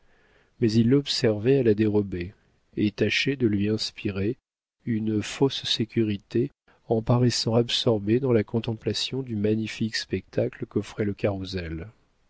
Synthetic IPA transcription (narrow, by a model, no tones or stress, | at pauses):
mɛzilːɔbsɛʁvɛalad̪eʁɔbe | et̪aʃɛd̪əlɥiɛ̃spiʁe | ynfossekʲyʁit̪e | ɑ̃paʁɛsɑ̃absɔʁbed̪ɑ̃lakɔ̃t̪ɑ̃plasjɔ̃d̪ymaɲifikspɛk̚t̪ʰakləkɔfχɛləkaʁuzɛl